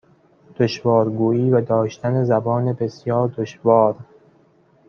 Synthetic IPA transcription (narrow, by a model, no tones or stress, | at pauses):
d̪̥oʃvɒːɾɡuːiːvæd̪ɒːʃt̪ænezæbɒːnebe̞sjɒːɾd̪oʃvɒːɾ